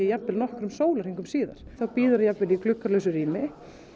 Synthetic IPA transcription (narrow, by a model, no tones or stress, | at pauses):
ɛjapvɪlnɔhkɾʏmsoːwlaɾ̥iŋkʏmsiːða̰ɾ̥θawpiːðʏɾajapvɪlikʰlʏkːaɾlœɥsʏɾiːmɪ